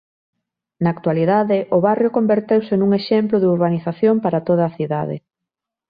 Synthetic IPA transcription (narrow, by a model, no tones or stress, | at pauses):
naːkt̪waliðaðɪʔʊβarjʊkombeɾt̪ewsɪnuŋeʃemplʊðeuɾβaniθaθjompaɾat̪oð̞ɐːθiða̰ðɪ̰